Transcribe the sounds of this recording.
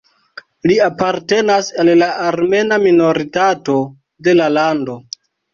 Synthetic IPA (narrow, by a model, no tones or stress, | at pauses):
liapaɾte̞nasallaːɾme̞namino̞ɾitato̞ | de̞lalando̞